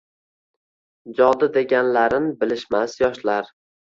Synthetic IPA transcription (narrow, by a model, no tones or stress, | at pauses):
d͡ʒɒd̪ɪd̪e̞ɡʲanlaɾɪnbɪlɪʃmasjɒʃlaɾ